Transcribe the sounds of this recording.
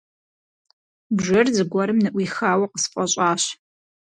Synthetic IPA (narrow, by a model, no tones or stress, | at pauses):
bʒɨrzɨɡʷɐɾɨmnɨʔʷiːxaːwɐqəsfʼɐɕʼaːɕ